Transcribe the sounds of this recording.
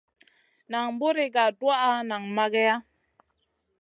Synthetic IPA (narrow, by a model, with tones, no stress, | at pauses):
na˨ŋ˦bu˦ɾi˦ɡa˨dwa˦ʔa˦na˨ŋma˦ɡɛ˦ja˦